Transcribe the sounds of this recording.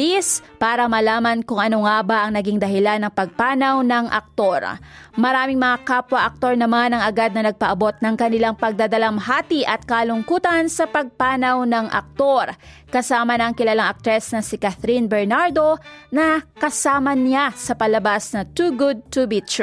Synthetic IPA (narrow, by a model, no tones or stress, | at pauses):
ispaːɾɐmɐlaːmɐnkʊŋɐnoŋabaʔɐŋnɐɡiŋd̪ɐɦɪlanːɐŋpɐɡ̚paːnɐwnɐŋʔɐ̰k̚t̪o̞ɹ | mɐɾaːmɪŋmɐŋakaːpwɐʔɐk̚t̪o̞ɹnɐmanɐŋɐɡad̪̚nɐnɐɡ̚pɐʔɐbo̞t̪̚nɐŋkɐnɪlaŋpɐɡ̚d̪ad̪ɐlɐmɦaːt̪iʔɐt̪̚kalʊŋkuːt̪ɐnsɐpɐɡ̚paːnɐwnɐŋʔɐ̰k̚t̪o̞ɾkɐsaːmɐnɐɐŋkɪlaːlaŋʔɐk̚t̪ɾɛsnɐsɪkaθɾinbɛɹnaɹd̪o̞nɐkɐsaːmɐnɪasɐpɐlɐbasnɐt̪uɡʊd̪̚t̪ʊbit̪